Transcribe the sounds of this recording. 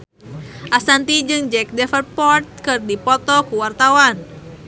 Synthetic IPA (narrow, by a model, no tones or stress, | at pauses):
ʔasant̪id͡ʒɨŋd͡ʒɛk̚dɛfər̚pɔrt̪̚kɨrdipɔt̪ɔkuwart̪awan